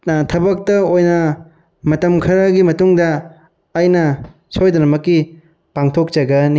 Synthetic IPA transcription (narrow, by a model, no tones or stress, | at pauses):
tʰɐbɐk̚tɐojnɐ | mɐtɐmkʰɐɾɐɡimɐtuŋdɐː | jnɐ | sʰojd̪ɐnɐmɐkːi | paŋtʰok̚t͡ʃɐɡɐni